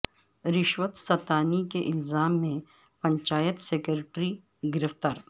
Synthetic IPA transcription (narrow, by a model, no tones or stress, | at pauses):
ɾɪʃʋət̪sɐt̪aːnikeʔɪlzaːmːẽ | pɐ̃ɲt͡ʃaːjət̪seːkəɾʈɾi | ɡɪɾəft̪aːɾ